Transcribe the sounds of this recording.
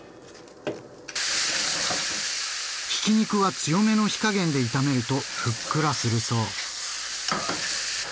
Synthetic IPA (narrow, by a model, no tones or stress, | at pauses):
çi̥kʲiɲ̟ikɯ̟βat͡sɨjo̞me̞no̞çi̥kaɡẽ̞nd̪e̞it̪ame̞ɾɯ̟t̪o̞ɸɯ̟kːɯ̟ɾasɨɾɯ̟so̞ː